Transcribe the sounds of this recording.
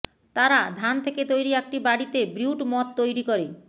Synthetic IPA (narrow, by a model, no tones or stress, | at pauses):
t̪aɾad̪ʱant̪ʰeket̪ojɾiɛk̚ʈibaɽit̪ebɾiwʈmɔt̪ːojɾikoɾe